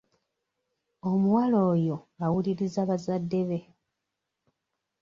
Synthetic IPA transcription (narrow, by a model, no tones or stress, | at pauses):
o̞muwalo̞ːjo̞awuliɾizaβazadːe̞βe̞